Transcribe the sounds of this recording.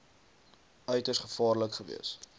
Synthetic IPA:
œɥtəsχəfɑːrləkχəvḭəs

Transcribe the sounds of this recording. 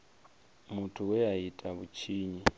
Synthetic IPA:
mutʰuwɛaitʼaβut͡ʃʰiːɲi

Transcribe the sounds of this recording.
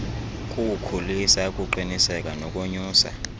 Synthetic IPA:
kʼukʰulisakʼuǃinisɛkʼanɔkʼoɲuːsa̰

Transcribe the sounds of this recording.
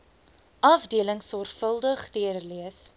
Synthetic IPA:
ʔɐfdiələŋsɔrχfəlˠdəχdiərliəs

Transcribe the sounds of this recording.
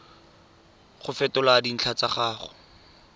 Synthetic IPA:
χʊfɛtʊladin̩t͡ɬʰat͡saχaːχʊ̰

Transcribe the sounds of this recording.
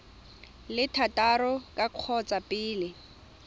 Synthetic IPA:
lɪtʰatʼarɔkʼaq͡χʰɔt͡sʼapʼɪːlɪ

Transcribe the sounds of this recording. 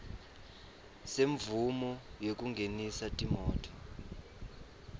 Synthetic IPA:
seɱvumɔjok̬ʼuŋɡʱenisatʼimɔːtʰɔ̥

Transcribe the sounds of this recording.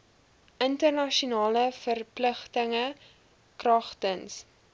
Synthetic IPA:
ʔəntərnɐʃiunɑːləfərpləχtəŋə | krɐχtəns

